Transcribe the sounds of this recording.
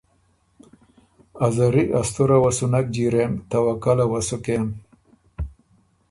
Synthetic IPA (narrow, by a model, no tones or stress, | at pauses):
azaɾiʔast̪uɾawasunak̚d͡ʑiɾemt̪awakalawasukem